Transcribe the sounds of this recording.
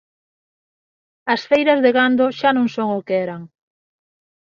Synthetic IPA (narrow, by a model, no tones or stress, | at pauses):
ɐsfejɾɐzðeɣand̪oʃanõŋsoŋʊkeɛɾaŋ